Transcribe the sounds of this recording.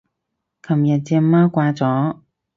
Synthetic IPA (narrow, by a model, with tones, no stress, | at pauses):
kʰɐ˨˩mjɐ˨˩t̚t͡sɛ˧mːaː˥kʷaː˧t͡sɔː˨˥